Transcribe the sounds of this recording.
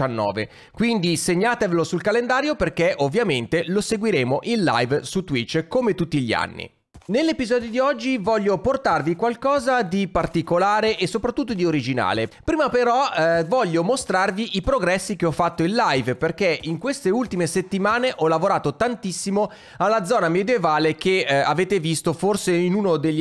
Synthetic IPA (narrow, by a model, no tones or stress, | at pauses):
anːɔ̰ːvḛ | kwind̪iseɲːaːt̪evelosulkalend̪aːɾjoperk̟eʔovːjament̪eloseɡwiɾeːmoʔinla̰jvsut̪wit͡ʃːkomet̪ut̪ːiʎia̰nːḭ | nelːepizɔːd̪jod̪iɔd͡ʒːivɔʎːoport̪arvikwalkɔːzad̪ipart̪ikolaːɾeʔesːopɾat̪ːut̪ːod̪ioɾid͡ʒina̰ːlepɾiːmapeɾɔvɔʎːomost̪ɾarviʔipɾoɡɾɛsːikeɔfːat̪ːoinlajvperkeʔiŋkwest̪eult̪imeset̪ːimaːneʔɔlavoɾaːt̪ot̪ant̪isːimo | alːad̪zɔːnamed̪jevaːlek̟eaveːt̪evist̪oforseinuːnod̪eʎː